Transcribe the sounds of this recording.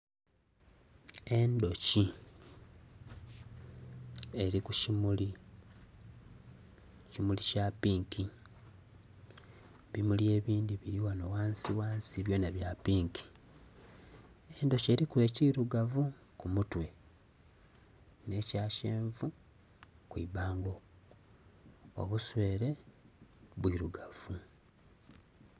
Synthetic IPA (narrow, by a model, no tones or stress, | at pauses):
e̞ndo̞ci | e̞ɾikucimuli | cimulicapiːŋki | βimulje̞ːβiːndiβiɾiwano̞waːnsiwaːnsiβjo̞ːnaβjapiːŋkʰi̥ | endo̞ceɾikwe̞ːciɾuɡavu | kumutwe̞ | ne̞ːcaːʃe̞ːɱvu | kwḭβaːŋɡo̞ | o̰βuswe̞ːɾe̞ | βwiɾuɡav̥u